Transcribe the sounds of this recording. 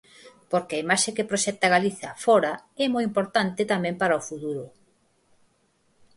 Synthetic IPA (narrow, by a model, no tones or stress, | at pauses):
poɾkeɐimaʃekepɾoʃɛt̪aɣaliθɐfɔɾaɛmojimpoɾt̪ant̪ɪt̪amɛ̃mpaɾaofut̪uɾʊ